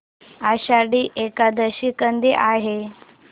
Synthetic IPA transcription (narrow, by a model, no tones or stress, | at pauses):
aɕaɽiːʔekad̪əɕikənd̪iʔaɦe